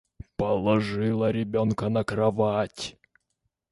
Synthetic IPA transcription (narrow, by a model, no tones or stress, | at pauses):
pəlˠɐʐɨlˠəɾʲɪbʲonkənəkɾɐvatʲ